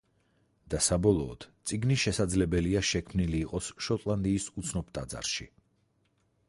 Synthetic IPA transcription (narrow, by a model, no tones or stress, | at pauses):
d̪̥asabɔlˠɔːd̪̥t̪sʼiɡniʃɛsad̪zlɛbɛliaʃɛkʰmniliːqʼɔsʃɔt̪ʼlˠand̪iːsut̪sʰnɔpt̪ʼad̪za̰ɾʃi